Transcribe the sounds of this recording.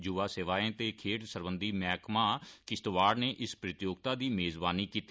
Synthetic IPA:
d͡ʒʊʋaːseːʋaːẽːt̪eːkʰeːʈsəɾbənd̪iːmɛːkmaːkɪst̪ʋaːɽneːʔɪspɾɪt̪joːɡ̚t̪aːd̪iːmeːzbaːniːkiːt̪ːi

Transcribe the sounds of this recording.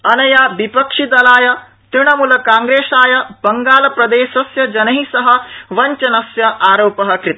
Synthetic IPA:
ɐnɐjaːbipɐkʂid̪ɐlaːjɐ | t̪ɾɪɳ̃ɐmulɐkaːŋɡɾeːʃaːjɐbɐŋɡaːlɐpɾɐd̪eːʃɐsjɐd͡ʒɐnɐɦisɐɦɐ̆ʋɐɲt͡ʃɐnɐsjɐʔaːɾoːpɐɦɐkɾɪt̪

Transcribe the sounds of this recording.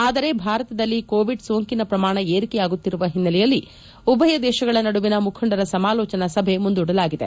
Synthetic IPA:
aːd̪ɐɾe̞bʱaːɾɐt̪ɐd̪ɐlːikoːʋiɖsoːŋkinɐpɾɐmaːɳɐeːɾikɛjaːɡut̪ːiɾuʋɐɦinːɐlɛjɐlːi | ubʱɐjɐd̪ɛːʃɐɡɐɭɐnɐɽuʋinɐmukʰɐɳɖɐɾɐsɐmaːlɔːt͡ʃɐnɐsɐbʱe̞mund̪uːɽɐlaːɡid̪e̞̰

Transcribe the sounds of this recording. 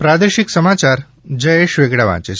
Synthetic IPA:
pɾad̪eʃiksəmat͡ʃaɾ | d͡ʒəjeʃʋeɡɽaʋã̰t͡ʃe

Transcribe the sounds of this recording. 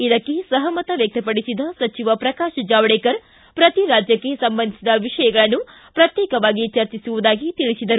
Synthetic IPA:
id̪ɐkːesɐɦɐmɐt̪ɐʋjɐk̚t̪ɐpɐɽisid̪ɐsɐt͡ʃiʋɐpɾɐkaːʃɐd͡ʒaːʋɐɽeːkɐɾ | pɾɐt̪iɾaːd͡ʒjɐkːesɐmbɐnd̪isid̪ɐʋiʂɐjɐɡɐɭɐnːu | pɾɐt̪jeːkɐʋaːɡit͡ʃɐɾt͡ʃisuʋud̪aːɡit̪iɭisid̪ɐɾu

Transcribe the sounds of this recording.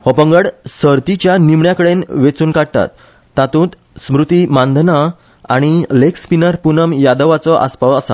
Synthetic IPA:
hɔpə̃ŋɡəɽsəɾt̪it͡ɕjanimɳjakəɽenʋet͡suːnkaɽt̪a̰t̪ː | at̪ũːt̪ | smɾut̪imãnd̪ʱna | aɽ̃ilekspinəɾpunəmjad̪əʋat͡sɔʔa̰spaʋəsa̰

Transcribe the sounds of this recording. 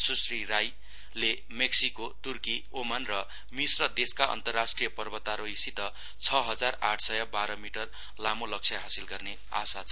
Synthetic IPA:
susriɾaj | le | meksikot̪urki | omanrʌ | misrʌd̪eskaʔʌ̰nt̪ʌrːasʈrijʌpʌrbʌt̪aɾoisit̪ʌ | t͡sʰʌɦʌd͡zara̰ʈʰsʌjʌbaɾʌmiʈʌr | lamolʌk̚t͡sʰjaɦasilɡʌrne | a̰sat͡sʰʌ

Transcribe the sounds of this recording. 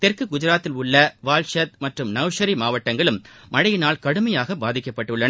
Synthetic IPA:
t̪ɛrkɯɡʊd͡ʒɪɾaːt̪ːɪlʊɭːɐʋaːlʂɐt̪̚mɐʈrɯmnɐʋʂɐɾimaːʋɐʈːɐŋɡɐɭɯmmɐɻɐjɪnaːlkɐɽɯmɐjaːɣɐbaːðɪkːɐpːɐʈːɯɭːɐn

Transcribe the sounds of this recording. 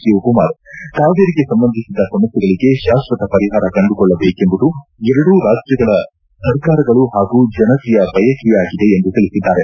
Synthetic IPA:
iukumaːɾt̪aːʋd̪eɾiɡe̞sɐmbɐnd̪ʱisid̪ːɐsɐmɐsɛɡɐɭiɡe̞ʃaːst̪ɾɐt̪ɐpɐɾiɦaːɾɐkɐɳɖukɔɭːɐbeːke̞mbud̪uɛɾɐɽuːɾaːd͡ʒjɐɡɐɭɐ | sɐɾkaːɾɐɡɐɭuɦaːɡuːd͡ʒɐnɐt̪ijɐbɐjɐkiʋaːɡid̪e̞ːnd̪ut̪iɭisid̪ːaːɾe̞

